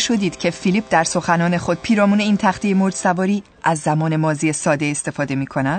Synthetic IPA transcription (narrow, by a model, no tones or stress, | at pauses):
ʃo̞d̪iːd̪̥cʰe̞filip̚d̪æɾso̞xænɒːne̞xo̞d̪̥̚pʰiːɾɒːmuːne̞iːnt̪ʰæχt̪ijemoɾd̪sævɒːɾiː | ʔæzːæmɒːne̞mɒːzijesɒːd̪e̞est̪e̞fɒːd̪e̞miːkʰo̞næd̪